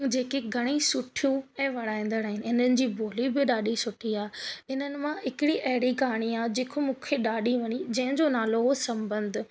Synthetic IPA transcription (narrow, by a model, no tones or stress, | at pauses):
d͡ʑeːkeɡʱɐɽ̃isʊʈʰijũɛ̃ːʋɐɽ̤aːĩːn̆d̪əɽaːɦɪnɪ̆ɪnənɪ̆d͡ʑiːbʱoːlibɪɗaːɗisʊʈʰiaːɪnənɪ̆mãɦɪkɪɽiʔɐɦɪɽiɡʱaːɽ̃iaːd͡ʑeːkʰomũːkʰeɗaːɗiʋɐɲid͡ʑɐ̃ɦɪ̃ɲd͡ʑonaːloɦosɐ̃mbə̃nd̪ʱʊ̆